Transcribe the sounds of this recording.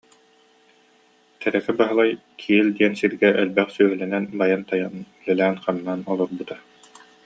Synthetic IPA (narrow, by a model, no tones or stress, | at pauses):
t̪ɛɾɛkɛbaɦɯlˠaj | kʰild̪iɛnsiɾɡɛʔœlbɛχsyœɦylɛnɛnbajant̪ajanylœlæːnχanːaːnɔlˠɔɾbɯt̪a